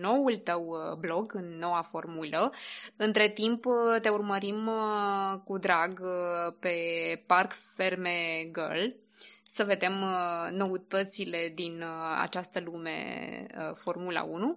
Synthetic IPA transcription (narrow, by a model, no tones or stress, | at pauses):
no̞wult̪əwblo̞ɡɨnːo̞wafo̞rmuləɨnt̪ɾe̞t̪impt̪e̞urməɾim | kud̪ɾaɡpe̞parkfe̞rmeɡə̰l | səve̞d̪e̞mno̞ut̪ət̪sile̞d̪ina̰t͡ʃast̪əlume̞̰əfo̞rmula̰unu